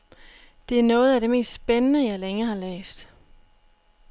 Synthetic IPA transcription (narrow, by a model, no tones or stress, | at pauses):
d̥e̝æɐnɔ̽ːð̞̩ˠæɾ̥e̝me̝̰ːsd̥sb̥enənəjɑ̈ɪleŋɐhɑ̈lḛːsd̥